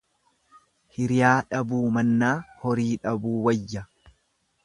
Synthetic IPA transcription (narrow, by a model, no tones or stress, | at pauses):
hɪɾɪjaːᶑɐbuːmɐnːaːhɔɾiːᶑɐbuːwɐjːɐ